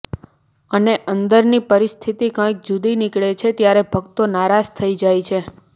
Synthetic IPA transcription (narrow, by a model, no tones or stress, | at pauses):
əneʔənd̪əɾnipəɾist̪ʰit̪ikãk̚d͡ʒud̪inikɭet͡ʃʰet̪jaɾɛbʱəkt̪onaɾad͡ʒt̪ʰəid͡ʒajt͡ʃʰe